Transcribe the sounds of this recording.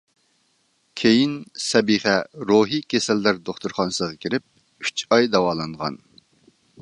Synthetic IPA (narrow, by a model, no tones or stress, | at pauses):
kʲʰejinsɛbiχɛɾoɦikʲʰesɛlːæɾd̪oχt̪uɾχɑnsəʁɑkʲʰiɾɪp̚ | y̥t͡ʃɑjd̪ɛwɑːlˠɑɴʁɑ̰n